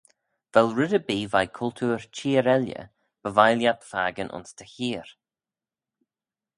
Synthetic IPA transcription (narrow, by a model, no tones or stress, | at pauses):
v̥ɛlˠɹɪdəbiːvajkʰʊlt̪ʰuːɹt͡ʃʰiːɾɛljə̰ | b̥əvajljat̪faːɡənʔʊ̰nst̪ʰəçiːɹ